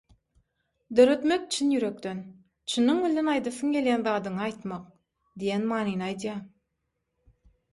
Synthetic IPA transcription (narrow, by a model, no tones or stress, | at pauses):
d̪ø̞ɾø̞t̪me̞kt͡ʃʰinjyɾø̞kt̪ø̞n | t͡ʃʰɯnːɯŋβilʲenɑjd̪ɯθɯŋɡʲe̞lʲjænðɑːd̪ɯɴɑɑjt̪mɑq | d̪ijenmɑːnijnɯɑjd̪jɑ